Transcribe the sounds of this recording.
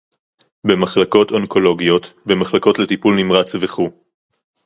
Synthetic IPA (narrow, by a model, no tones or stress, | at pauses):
be̞maχlako̞tonko̞lo̞ɡijo̞t̪be̞maχlako̞tle̞tipulnimʁat͡sveχu